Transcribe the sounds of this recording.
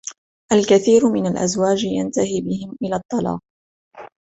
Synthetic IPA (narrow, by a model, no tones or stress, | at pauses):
ʔalkaθiːɾʊmɪnalʔa̰zwaːd͡ʒja̰nt̪ahiːbɪhɪmʔɪlaːt̪ˤːɑlɑ̰ːq̚